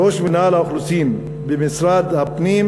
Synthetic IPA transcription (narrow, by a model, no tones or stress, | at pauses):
oʃminalhaʊxlusim | bemɪsɾad̪hapnim